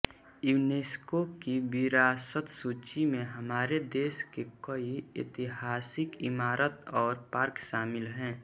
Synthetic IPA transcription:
juːneːskokiʋɪɾaːsət̪suːt͡ʃimẽɦəmaːɾed̪eːskekəiɪ̰t̪ɪɦaːsɪkɪmaːɾət̪ɔːɾpaɾkʃaːmɪlɦɛ̃ː

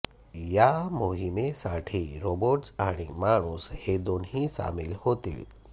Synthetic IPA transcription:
jamoɦimesaːʈʰiɾoːboʈsaːɽ̃imaːɳusheːd̪oːnɦĩsa̰ːmɪlhoːt̪ḭ

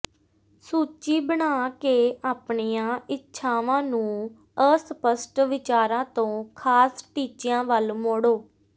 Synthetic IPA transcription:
suːt͡ʃiːbəɳaːkeːaːpɳiːãːʔɪtːʃʰaːʋãːnũː | əsəpəsʈʋɪt͡ʃaːɾãːt̪õːkʰaːsʈiːt͡ʃɪjãːʋəlmoːɽoː

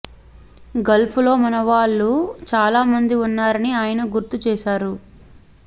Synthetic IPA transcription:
ɡɐlpʰulo̞ːmɐnɐʋaːɭːut͡ʃaːlaːmɐnd̪iunːaːɾɐniaːjɐnɐɡuɾt̪ut͡ʃɛːʃaːɾu

